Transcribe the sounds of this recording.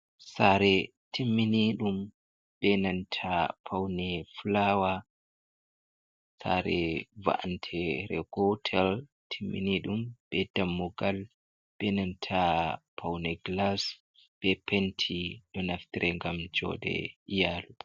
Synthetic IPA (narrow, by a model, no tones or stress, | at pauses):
saɾɛ | tʰimːiniɗum | ɓɛnantʰapʰawnɛflawa | sa̰ɾɛ̰va̰ʔantʰɛɾɛ̰ɡ̥ɔtʰɛl | tʰimːḭniɗumbɛdamːɔɡal | ɓ̥ɛnantʰapʰawnɛɡlas | b̥ɛpʰentʰiɗɔnaft̪iɾʔɛŋɡamd͡ʒɔ̰dɛ̰ijaːlu